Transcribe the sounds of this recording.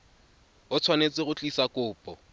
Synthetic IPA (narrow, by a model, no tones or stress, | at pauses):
ʊt͡sʰwanet͡sʼɪɣʊt͡ɬʼisakʼʊːpʼɔ